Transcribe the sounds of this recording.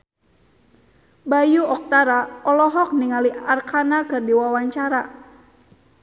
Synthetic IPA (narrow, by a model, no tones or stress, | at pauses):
bajuɔk̚t̪aɾaɔlɔɦɔk̚niŋaliarkʰanakɨrdiwawaɲt͡ʃaɾa